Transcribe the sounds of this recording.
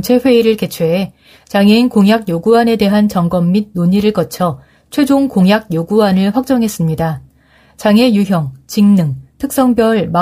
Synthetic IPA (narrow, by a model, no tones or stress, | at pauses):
t͡ɕʰe̞ɸwe̞iɾɯɭke̞t͡ɕʰwee | t͡ɕaŋeinkoŋjakjoɡuane̞de̞ɦant͡ɕʌŋɡʌmːid̚noɲiɾɯɭkʌt͡ɕʰʌ | t͡ɕʰwe̞d͡ʑoŋkoŋjaɡ̚joɡuanɯɭɸwak̚t͡ɕ͈ʌŋɦe̞s͈ɯmɲida | t͡ɕaŋe̞juɦjʌŋt͡ɕiŋnɯŋtʰɯk̚s͈ʌŋbjʌɭma